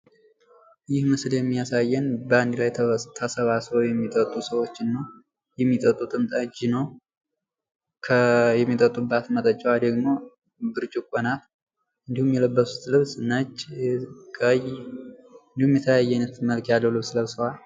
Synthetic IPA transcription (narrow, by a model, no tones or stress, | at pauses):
jɪhmɨsljɛmːijasajːɛnbəand̪lajt̪ʰəsəβasojɛmːit̪ʼət̪ʼːusəwo̞t͡ʃːɪnːəw | jɛmːit̪ʼət̪ʼːut̪ʼɨmt̪ʼad͡ʒinəw | kʰəjɛmːit̪ʼət̪ʼːubat̪mət̪ʼət͡ʃʼːwald̪əɡmo̞ | bɨɾt͡ʃʼukʷʼonat̪ | ʔɨnd̪ihumjɛləbːəsu̥t̪lɨβsnəd͡ʒ | kʼəj | ɨnd̪ihumjɛt̪ʰələjajːɛajnət̪məlkʰjalːəwlɨβsləβsəwal